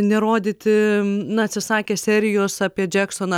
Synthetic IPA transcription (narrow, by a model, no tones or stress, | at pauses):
nʲɛɾoːd̪ʲiːt̪ʲɪnʊɐt̪ʲsʲɪsɑːkʲɛːsʲɛɾʲɪjoːsɑːpʲiɛd͡ʒʲɛksoːnɐ